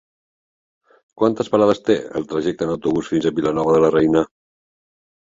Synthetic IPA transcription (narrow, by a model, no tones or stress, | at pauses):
kwant̪əspəɾað̞əst̪eə̰lˠt̪ɾəʒɛk̚t̪ənəwt̪uβusfinzəβilənɔβ̞əðələrɛjnə